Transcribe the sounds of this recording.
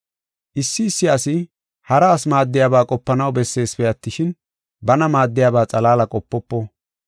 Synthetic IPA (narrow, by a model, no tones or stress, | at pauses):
ʔɪsːɪːsːɪɐsɪ | hɐɾɐːsmaːd̪ːɪjaːbaːkʼɔpːɐnɐwbɛsːe̞ːspɛɐt̪ːɪʃɪn | bɐnɐmaːd̪ːɪjaːbaːt͡sʼɐlaːlɐkʼɔpːɔpːɔ